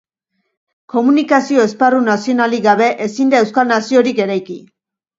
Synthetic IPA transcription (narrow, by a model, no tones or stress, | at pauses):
ko̞munikasio̞e̞sparunasio̞naliɣaβe̞ʔesind̪ae̞wskalnasio̞ɾike̞ɾajki